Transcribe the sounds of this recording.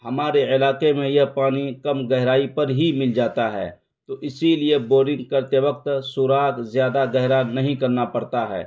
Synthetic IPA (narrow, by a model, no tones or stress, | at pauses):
hɐmaːɾeɪlaːkemẽjɐpaːnikɐmɡɛɦɾaːipɐɾɦimɪld͡ʒaːt̪aɦɛ̰ː | t̪oːʔɪsilieboːɾɪ̃ŋɡkɐɾt̪eʋək̚t̪suːɾaːkzjaːd̪aɡɛɦɾanɐɦĩkɐɾnapɐɾt̪aɦɛ̰ː